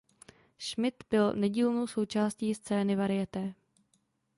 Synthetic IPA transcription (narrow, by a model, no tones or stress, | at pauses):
ʃmɪt̪bɪlnɛɟiːlnowso̞wt͡ʃaːsciːst͡sɛːnɪvaɾɪjɛt̪ɛː